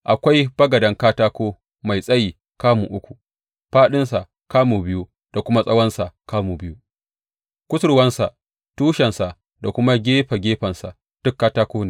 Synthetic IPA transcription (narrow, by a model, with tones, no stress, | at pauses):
ʔa˨kʷa˦jb̥ɐ˦ɡɐ˨dɐ˨˦ŋkaː˦taː˦kʷoː˦ | ma˨jsʼɐ˦jiː˨ | kaː˦mu˨ʔʊ˦kʷu˨ | ɸaː˦ɗɪ˦nsa˨ʔ | kaː˦muː˨bɪ˦ju˦ | d̥a˨kʷʊ˦ma˦sʼɐ˦wɐ˦nsa˨kaː˦muː˨bɪ˦ju˦ | kʷʊ˦sʊ˦˨ɾwɐ˦nsa˨ | tuː˦ʃɛ˨nsa˨ | da˨kʷʊ˦ma˦ɡʲeː˦ɸa˨ɡʲeː˦ɸɐ˨nsa̰˨ | d̥ʊ˦kːaː˦taː˦koː˦neː˨